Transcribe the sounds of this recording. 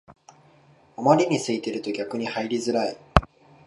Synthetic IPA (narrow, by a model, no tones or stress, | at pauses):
o̞maɾʲiɲ̟isɨit̪e̞ɾɯ̟t̪o̞ɡʲakɯ̟ɲ̟ihaiɾʲizɨɾai